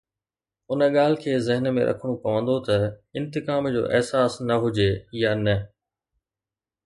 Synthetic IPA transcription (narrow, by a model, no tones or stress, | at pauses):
ʊnə̆ɠaːl̤ɪ̆kʰeːzɪɦənmẽɾʔɐ̰kʰəɽ̃okɐʋə̃nd̪ot̪ɐɪ̃nt̪ɪkaːmd͡ʑo̰ːʔɪ̰ɦsaːsnɐɦʊd͡ʑejanɐ